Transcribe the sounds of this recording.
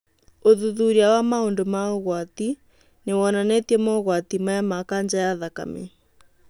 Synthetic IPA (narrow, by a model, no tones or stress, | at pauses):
oðuðuɾiawamaondomaoɣwat̪i | newɔnanɛtiɛmɔɣwat̪imajamakand͡ʒajaðaka̰mḛ